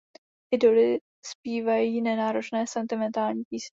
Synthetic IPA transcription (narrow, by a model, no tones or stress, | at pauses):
ʔɪdolɪ | spiːvajiːnɛnaːɾot͡ʃnɛːsɛnt̪ɪmɛnt̪aːlɲiːpiːs